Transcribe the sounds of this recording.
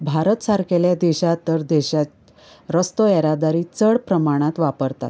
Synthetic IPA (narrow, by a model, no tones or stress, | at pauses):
bʱaɾət̪saɾkeljad̪eɕat̪ːəɾd̪eɕa | ɾəst̪oɛɾad̪aɾiːt͡səɽpɾəmaɽ̃ãt̪ʋapəɾt̪a̰t̪